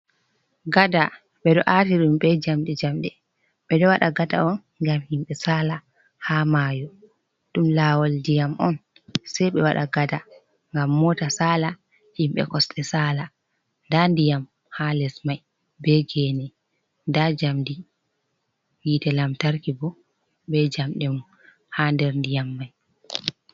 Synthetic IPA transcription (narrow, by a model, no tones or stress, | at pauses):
ɡada | ɓɛɗɔʔatiɗumɓɛd͡ʒamɗɛd͡ʒamɗɛ | ɓɛdɔwaɗaɡada̰ɔn | ŋɡamhimɓɛsaːla | hamajɔ | ɗumlaːwɔldijamɔn | sɛjɓɛwaɗa̰ɡada | ŋɡamːɔtasaːla | himɓɛ̰kɔstɛsaːla | ndandijam | halɛsmaj | bɛɡɛnɛ | ndad͡ʒamdi | jiːtɛlamtaɾkibɔ | bɛd͡ʒamɗɛmu | handɛɾndijamːaj